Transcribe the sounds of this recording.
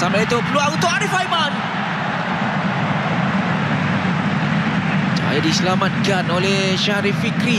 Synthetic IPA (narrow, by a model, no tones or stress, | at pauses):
samait̪upluaŋut̪oaɾifajman | t͡ʃa̰a̰jidisəlamat̪̚ɡanolɛh | ʃaɾifikɾi